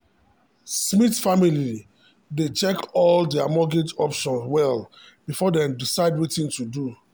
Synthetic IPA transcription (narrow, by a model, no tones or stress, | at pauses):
smitfamili | det͡ʃɛkɔldɛamɔɡed͡ʒɔpʃɔ̃nswɛl | b̥ifɔdɛ̃mdisaɪdwitĩntudu